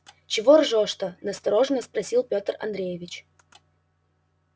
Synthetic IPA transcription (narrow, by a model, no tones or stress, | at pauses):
t͡ɕɪvorʐoʂt̪ənəst̪ɐɾoʐnəspɾɐsʲilˠpʲot̪rɐ̰nd̪ɾʲejɪvʲɪt͡ɕ